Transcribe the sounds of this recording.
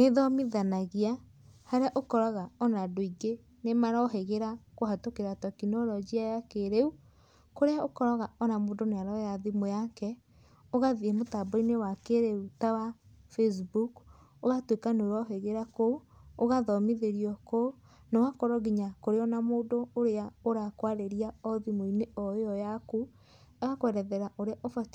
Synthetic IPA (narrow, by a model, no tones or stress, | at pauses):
neðɔmiðanaɣia | haɾeaʔokɔɾaɣaɔnadoiɡe | nemaɾaɦeɣeɾakoɦatokeɾatɔkinɔɾɔd͡ʒiajakeɾeu | koɾeaokɔɾɔɣaɔnamoːndoneaɾɔjaðimojakɛ | oɣaðiɛmotabɔinewakeɾeutawafes̬buk | oɣatwekanoɾɔɦeɣeɾakouoɣaðɔmiðeɾiɔko | newakɔɾɔɣiɲakoɾeɔnamoːdoːɾeaoɾakwaɾeɾiaɔðimoineɔɔjaku | aɣakowɛɾɛðɛɾaʔoɾeaʔofat